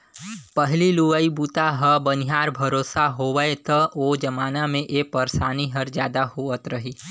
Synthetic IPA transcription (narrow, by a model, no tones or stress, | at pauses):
pəɦliluʋaibuːt̪aɦəbənɪɦaːɾbʱɐɾoːsaɦoːʋəet̪əoːd͡ʒɐmaːnamẽʔeːpəɾsaːniɦɐɾzjaːd̪ahoːət̪ɾɐɦiː